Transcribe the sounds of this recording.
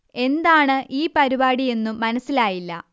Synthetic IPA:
e̞nd̪aːɳɨʔiːpɐɾibaːɽie̞nːuːɐnɐsːilaːjilːɐ̰

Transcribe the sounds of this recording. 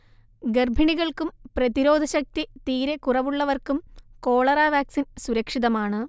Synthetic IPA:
ɡerbʱiɳiɣɐɭkumprɐðiɾo̞ːd̪ʱɐɕɐk̚t̪it̪iːɾekurɐʋuɭːɐʋɐrkumko̞ːɭɐraːʋaːksinsuɾɐkʂiðɐmaːɳɨ

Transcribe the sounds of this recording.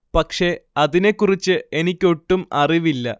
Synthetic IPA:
pɐkʂe̞ɐðine̞kːurit͡ɕːɨe̞nikʲːo̞ʈːumɐriʋilːɐ

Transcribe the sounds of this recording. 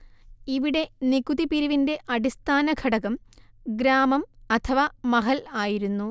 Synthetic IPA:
iʋiɽe̞niɡuðipiɾiʋinde̞ʔɐɽist̪ʰaːnɐɡʰʱɐɽɐɣɐm | ɡɾaːmɐmɐt̪ʰɐʋamɐɦɐlaːjiɾunːu

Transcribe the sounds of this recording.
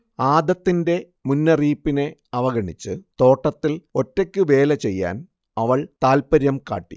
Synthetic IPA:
aːd̪ɐt̪ːinde̞ | munːɐriːpːine̞ɐʋɐɡɐɳit͡ɕːɨt̪o̞ːʈːɐt̪ːilo̞tːe̞kʲːɨʋe̞ːlɐt͡ɕe̞jːa̰ːn | ɐʋɐɭt̪aːlpɐɾjɐmka̰ːʈːḭ

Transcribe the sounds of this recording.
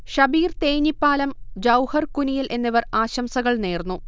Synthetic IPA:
ɕɐbiːrt̪eːɲipːaːlɐmd͡ʑɐwhɐrkunijilʔe̞nːiʋɐraːɕɐmsɐɣɐɭneːrnːu

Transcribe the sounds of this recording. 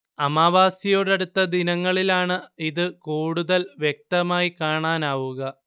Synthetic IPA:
ɐmaːʋaːsɐjo̞ːɽɐɽut̪ːɐd̪inɐŋːɐɭilaːɳɨiðɨkuːɽuðɐlʋjek̚t̪ɐmaːjikaːɳaːnaːʋuɣɐ

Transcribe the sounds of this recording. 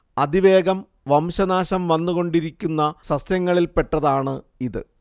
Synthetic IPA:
ɐd̪iʋe̞ːɡɐm | ʋɐmɕɐnaːɕɐmʋɐnːuɣo̞ɳɖiɾikʲːunːɐsɐsjɐŋːɐɭilpe̞ʈːɐðaːɳɨ | iðɨ̰

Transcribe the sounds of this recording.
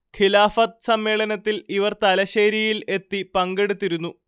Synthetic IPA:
kʰilaːfɐt̪̚sɐmːeːɭɐnɐt̪ːiliʋɐrt̪ɐlɐɕeːɾijile̞t̪ːipɐŋɡe̞ɽut̪ːiɾunːu

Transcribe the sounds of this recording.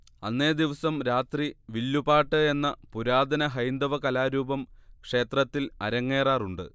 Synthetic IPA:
ɐnːe̞ːd̪iʋɐsɐmɾaːt̪riʋilːubaːʈːɨe̞nːɐpuɾaːd̪ʱɐnɐɦɐjnd̪ɐʋɐkɐlaːɾuːbɐmkʂe̞ːt̪rɐt̪ːilɐ̰ɾɐŋːe̞ːraːruɳɖɨ̰

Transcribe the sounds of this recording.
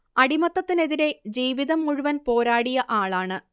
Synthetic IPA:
ɐɽimɐt̪ːɐt̪ːine̞ðiɾe̞d͡ʑiːʋiðɐmːuɻuʋɐnpo̞ːɾaːɽijɐʔaːɭaːɳɨ

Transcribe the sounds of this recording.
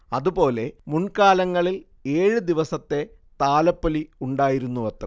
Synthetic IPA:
ɐðupo̞ːle̞muɳkaːlɐŋːɐɭil | eːɻɨd̪iʋɐsɐt̪ːe̞ | t̪aːlɐpːɐliuɳɖaːjiɾunːuʋɐt̪rɐ̰

